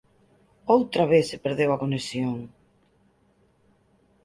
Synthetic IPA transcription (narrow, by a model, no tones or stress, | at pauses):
owt̪ɾaβeθsepeɾðewɐkonesjoŋ